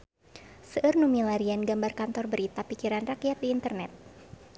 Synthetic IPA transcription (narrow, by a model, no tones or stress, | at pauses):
səʔɨrnumilaɾianɡambarkant̪ɔrbəɾit̪apikiɾanrakijat̪̚diːnt̪ərnɛt̪̚